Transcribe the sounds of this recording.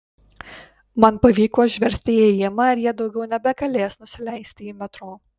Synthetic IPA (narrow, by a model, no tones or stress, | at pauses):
mɐnpɐʋʲiːkoːʒʲʋʲɛɾʲsʲt̪ʲɪɛjɪmɐɐɾjiɛd̪ɒʊɡʲɛʊnʲɛbʲɛɡɐlʲeːsnʊsʲɪlʲæˑɪsʲt̪ʲɪiːmʲɛt̪ɾoː